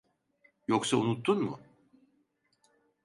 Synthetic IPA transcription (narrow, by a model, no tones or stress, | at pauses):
joksaunut̪ʰːunmʊ̰